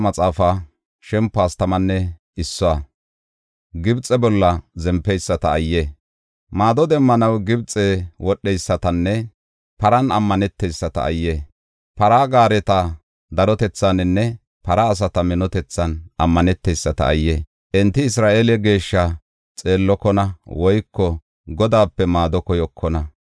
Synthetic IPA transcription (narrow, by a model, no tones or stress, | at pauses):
mɐt͡sʼaːfɐ | ʃɛmpːaːst̪ɐmɐnːɛ | ɪsːɔa | ɡɪbt͡sʼːɛbɔlːɐzɛmpːɛjsːɐt̪ɐːjːe | maːd̪ɔd̪ɛmːɐnɐwɡɪbt͡sʼːɛwɔɗːɛjsːɐt̪ɐnːɛ | pɐɾɐnɐmːɐnɛt̪ːɛjsːɐt̪ɐ̰ːjːe | pɐɾaːɡaːɾɛt̪ɐ | d̪ɐɾɔt̪ɛt͡sːanɪnːɛ | pɐɾɐːs̬ɐt̪ɐmɪnɔt̪ɛt͡sːɐnɐmːɐnɛt̪ːɛjsːɐt̪ɐ̰ːjːeː | ʔɛnt̪ːɪɪsɾaːʔeːlɛɡe̞ːʃːɐ | t͡sʼe̞ːlːɔkɔnɐwɔjkːɔ | ɡɔd̪aːpːɛmaːd̪ɔkɔjɔkʰːɔnɐ